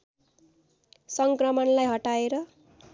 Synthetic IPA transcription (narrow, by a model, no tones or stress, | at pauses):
sʌŋkrʌmʌnlajɦʌʈaeɾʌ